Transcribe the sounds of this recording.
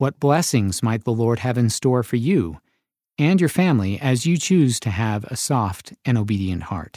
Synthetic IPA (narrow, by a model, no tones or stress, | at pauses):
wʌt̚b̥lɛsɪ̃ŋzmaɪt̪̚ðəlɔɹd̚ɨvɨ̃nstɔɹfə˞ju | ɨ̃njə˞fæ̃mliʔɨzjɨt͡ʃʰʉz̥tʰɨɨvɨ̰sɔftɨ̃ñoʊbiɾiɨ̃nʔhɑ̰ɹt